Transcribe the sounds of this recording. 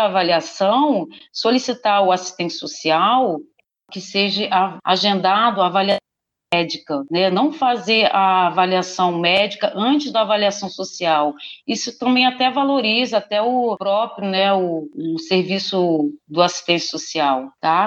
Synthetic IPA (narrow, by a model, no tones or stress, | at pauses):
valiasɐ̃w̃solisit̪aɾʊasi̥st̪ẽnt͡ʃɪ̥sosiaw | kɪseʒɐʔaaʒẽnd̪ad̪ʊavalias | mɛd͡ʒikɐnɛnɐ̃w̃fazeɾavaliasɐ̃w̃mɛd͡ʒikɐʔɐ̃t͡ʃɪzd̪ɐːvaliasɐ̃w̃sosiawisʊt̪ɐ̃mbẽj̃at̪ɛvaloɾizɐat̪ɛʊpɾɔpɾjʊnɛʊʊseɾvisʊd̪ʊasi̥st̪ẽnt͡ʃɪ̥sosiawt̪a